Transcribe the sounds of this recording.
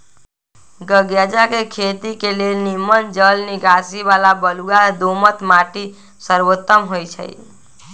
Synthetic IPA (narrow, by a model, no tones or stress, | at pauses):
ɡəɡjad͡ʒakekʰet̪ikelenimənd͡ʒəlniɡasiʋalabəluɡad̪omət̪maʈi | səɾʋot̪ːəmɦojt͡ʃʰə̰j̰